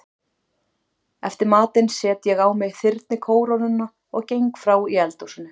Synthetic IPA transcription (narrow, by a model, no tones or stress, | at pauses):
ɛft̪ɪɾmaːt̪ɪnsɛːt̪jɛɣaːwmɪɣθɪɾt̪nɪkʰoːwɾanʏnːa | ɔɣcejŋkfɾaːwiɛlt̪owsɪnʏ